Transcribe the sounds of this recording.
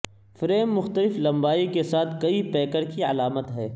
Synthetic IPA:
fɾeːmːʊxt̪əlɪflɐ̃mbaːikesaːt̪ʰkɐipɛːkəɾkiɐlaːmət̪ɦɛː

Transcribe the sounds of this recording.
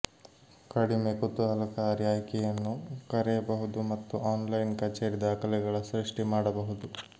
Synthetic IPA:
kɐɽimekut̪ːuɦɐlɐkaɾjaːjkɛjɐnːukɐɾɛjɐbɐɦud̪umɐt̪ːuaːnlɐjnkɐt͡ʃeːɾid̪aːkɐlɛɡɐɭɐsɾiʂʈimaːɽɐbɐɦud̪u

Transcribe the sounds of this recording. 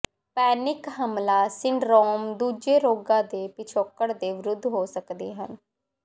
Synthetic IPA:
pɛːnɪkɦəmlaːsɪɳɖɾoːmd̪uːd͡ʒeːɾoːɡãːd̪eːpɪt͡ʃʰoːkːəɽd̪eːʋɪɾʊd̪ʱːɦoːsəkd̪ḛːɦən

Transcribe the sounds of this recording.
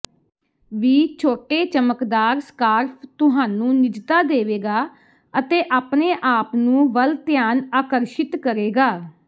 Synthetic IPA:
ʋiːt͡ʃʰoːʈeːt͡ʃəməkd̪aːɾskaːɾpʰt̪ʊɦaːnũːnɪd͡ʒt̪aːd̪eːʋeːɡaː | ət̪eːʔaːpneːʔaːpnũːbəlt̪ɪjaːnaːkəɾʃɪt̪kəɾeːɡaː

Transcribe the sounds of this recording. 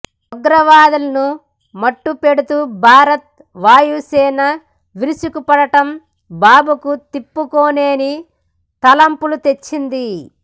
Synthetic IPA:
ɔɡɾɐʋaːd̪ɐlɐnu | mɐʈːupe̞ɽut̪uːbʱaːɾɐt̪̚ | ʋaːjusɛːnɐ | ʋiɾusukupɐɽɐʈɐm | baːbukut̪ipːukoːneːni | t̪ɐlɐmpulut̪e̞t͡ʃːind̪i

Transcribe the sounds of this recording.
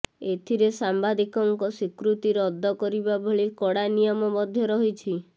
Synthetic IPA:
et̪ʰiɾesambad̪ikɔŋkɔsikɾut̪iɾɔd̪ʱːɔkɔɾibaboɭikɔɽanijɔmɔbɔd̪ʱjɔɾɔɦit͡ʃʰi

